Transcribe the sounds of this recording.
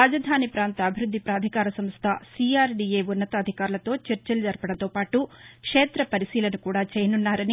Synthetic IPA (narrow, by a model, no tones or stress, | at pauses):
aːd͡ʒɐd̪ʱaːnipɾaːnt̪ɐːbʱiɾud̪ʱːipɾaːd̪ʱikaːɾɐsɐmst̪ʰɐsiːaːɾɖiːeːunːɐt̪ɐːd̪ʱikaːɾulɐt̪o̞ːt͡ʃɐɾt͡ʃɐlɐd͡ʒɐɾpɐɽɐnt̪oːpaːʈukʂeːt̪ɾɐpɐɾisiːlɐnukuːɽaːt͡ʃɛːjɐnunːaːɾɐni